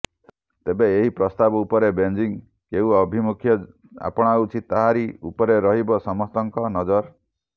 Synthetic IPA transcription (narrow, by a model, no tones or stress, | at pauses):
t̪ebeːɦipɾɔst̪abɔupɔɾebend͡ʒiŋ | keũɔbʱimukʰjɔ | a̰pɔɽ̃ɔut͡ʃʰiaɦaɾiupɔɾeɾɔɦibɔsɔmɔst̪ɔŋkɔnɔd͡ʒɔɾ